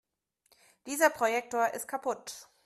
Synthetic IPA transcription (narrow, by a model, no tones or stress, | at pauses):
d̥iːzɐpʁ̥ojɛk̚toːɐʔɪst̚kʰapʰʊt